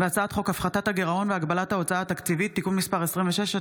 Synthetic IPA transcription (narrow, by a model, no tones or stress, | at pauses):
veat͡saat̪χo̞kafχat̪ataɡeʁao̞nveaɡbalat̪ao̞t͡saaːt̪akt͡sivit̪ːikunmispaʁesʁimveʃeʃ